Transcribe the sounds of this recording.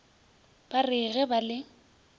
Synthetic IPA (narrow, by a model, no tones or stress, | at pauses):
b̥arɪɣɛbalɪ